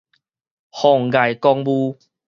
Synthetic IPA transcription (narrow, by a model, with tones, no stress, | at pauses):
hɔ˨˩ŋɡa˨˩jkɔ˧ŋbu˦